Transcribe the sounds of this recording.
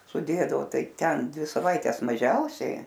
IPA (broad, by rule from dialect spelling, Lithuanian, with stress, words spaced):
sʊˈdʲeːdɐʋoː ˈtɐɪ ˈtʲɛn ˈdʲʋʲɪ sɐˈʋɐɪtʲɛs mɐˈʒʲɛʊsʲɛɪ